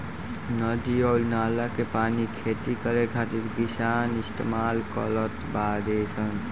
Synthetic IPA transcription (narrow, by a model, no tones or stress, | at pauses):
nəd̪iɔlnalakepaːnikʰet̪ikəɾekʰat̪eɾɡisaːnist̪ḛmaːlkə̰lət̪bad̪esən